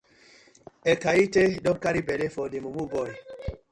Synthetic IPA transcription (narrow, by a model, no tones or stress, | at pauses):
ɛkaitedɔŋkaɾibɛlefɔdemumubɔj